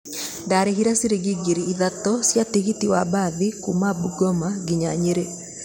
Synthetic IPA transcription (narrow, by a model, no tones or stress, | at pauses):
ndaːɾeɦiɾasiɾeɡiɡeɾiiðatɔsjatiɣitiwabaðikumabuɡɔmaɡiɲaɲeɾe